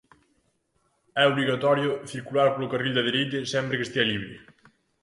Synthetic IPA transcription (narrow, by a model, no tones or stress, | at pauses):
ɛoβliɣat̪ɔɾjoθiɾkulaɾpolokariʎʲd̪aðeɾejt̪esɛmpɾekest̪ieliβɾe